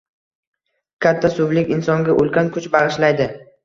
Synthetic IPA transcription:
kʲʰat̪ʰːasʊblɪkʲɪnsɒŋɡʲaʔolˠkʲʰankʰʊt͡ʃbaʁɨʃlajd̪ɪ

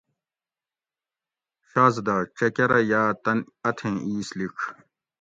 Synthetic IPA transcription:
ɕaːzd̪aːʈ͡ʂɐkeɾɐjaːt̪ɐn | ɐt̪ʰẽːiːsliʈ͡ʂʰ

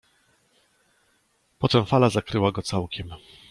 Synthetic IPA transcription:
pɔt̪ɛmfalazakɾɘwaɡɔt̪sawkʲɛm

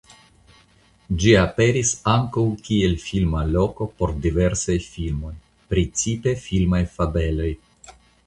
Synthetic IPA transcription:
d͡ʒiape̞ɾisaŋkawkie̞lfilmalo̞ko̞po̞ɾdive̞ɾsajfilmo̞j | pɾit͡sipe̞filmajfabe̞lo̞j

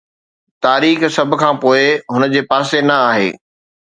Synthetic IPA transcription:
t̪aːɾiːxsɐbʱʊ̆kʰãːpoːɪɦʊnəd͡ʑeːpaːsenɐaːɦḛː

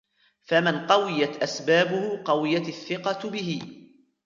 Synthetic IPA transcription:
famɪnqɑwɪjat̪ʔasbaːbʊhʊqɑwɪjat̪aθːɪqɑbɪɦɪ

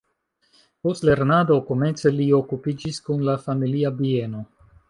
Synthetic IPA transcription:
po̞stle̞ɾnado̞ko̞me̞nt͡se̞lio̞kupid͡ʒiskunlafamiliabie̞no̞

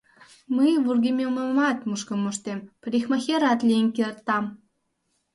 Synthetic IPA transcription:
məjβurɣemʲeməmɑt̪muʃkə̆moʃt̪empɾʲixmɑxeɾɑt̪lʲijənkert̪ːɑm

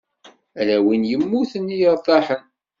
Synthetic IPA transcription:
ælæwinjəmːuθənːijəɾˤt̪ˤːɑħən

